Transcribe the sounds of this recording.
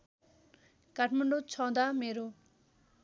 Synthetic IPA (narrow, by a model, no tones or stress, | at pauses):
kaʈʰməɳɖot͡sʰɔ̃d̪ameɾu